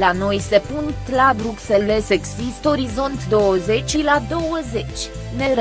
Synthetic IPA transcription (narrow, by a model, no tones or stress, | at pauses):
lano̞jse̞punt̪lad̪ɾukseleseksist̪o̞ɾizo̞nt̪d̪o̞wəze̞t͡ʃʲilad̪o̞wəze̞t͡ʃʲ | neɾ